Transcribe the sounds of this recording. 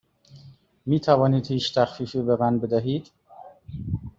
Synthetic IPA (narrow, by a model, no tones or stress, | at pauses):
miːt̪ʰævɒːniːd̪hiːt͡ʃt̪ʰæxfiːfiːbemænbe̞d̪æɦiːd̪̥